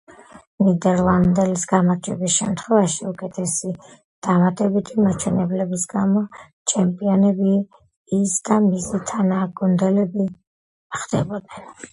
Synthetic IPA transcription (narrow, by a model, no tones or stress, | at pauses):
nid̪ɛɾlˠand̪ɛlisɡamaɾd͡ʒɛbisʃɛ̰mt̪ʰχwɛvaʃiukʼɛt̪ʰɛsi | d̪̥amat̪ʼɛbit̪ʰimat͡ʃʰwɛnɛblɛbisɡamɔ | t͡ʃʰɛmpʼiɔnɛbiː | sd̪amisit̪ʰanaɡund̪ɛlɛbi | χd̪ɛbɔd̪nɛn